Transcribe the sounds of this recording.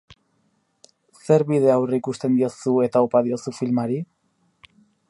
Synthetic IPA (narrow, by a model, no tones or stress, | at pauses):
se̞ɾβiðe̞awreikust̪e̞nd̪iosue̞t̪aopaðio̞sufilmaɾi